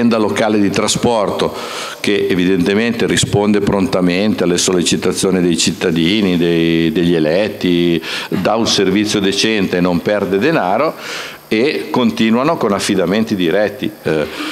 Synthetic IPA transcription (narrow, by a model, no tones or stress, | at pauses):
ɛnd̪alokaːled̪it̪ɾaspɔrt̪o | keʔevid̪ent̪ement̪erispond̪epɾont̪ament̪ealːesolːet͡ʃit̪at̪sːjoːnid̪ejt͡ʃit̪ːad̪iːnid̪ejd̪eʎːelɛt̪ːid̪aunservit̪sːjod̪et͡ʃɛnt̪eːnompɛrd̪ed̪enaːɾo | ekːont̪iːnwanokonafːid̪ament̪id̪iɾɛt̪ːi